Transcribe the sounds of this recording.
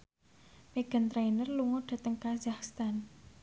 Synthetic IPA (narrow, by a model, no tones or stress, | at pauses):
meɡ̥a̤nt̪ɾainərluŋoɖ̪̥a̤t̪əŋkazaxst̪an